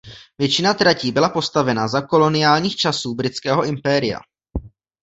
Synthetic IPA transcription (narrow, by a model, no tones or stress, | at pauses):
vjɛt͡ʃɪnat̪ɾaciːbɪlapo̞st̪avɛnazako̞lo̞nɪjaːlɲiːxt͡ʃasuːbɾɪt͡skɛːɦo̞ʔɪmpɛːɾɪja̰